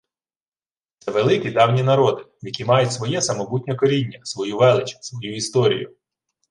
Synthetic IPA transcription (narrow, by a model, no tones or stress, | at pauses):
t̪sɛʋelˠɪkʲid̪ɑwnʲinɐɾɔd̪ɪjɐkʲimɑjʊtʲsʋɔjɛsɐmɔbut̚ʲnʲɔkɔɾʲinʲːɐsʋɔjuʋɛlˠɪt͡ʃɐ̥sʋɔjuist̪ɔɾʲḭjʊ̰